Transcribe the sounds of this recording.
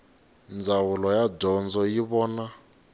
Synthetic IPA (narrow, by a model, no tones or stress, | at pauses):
nd͡zawulɔjaɟɔnd͡zɔjiβɔːna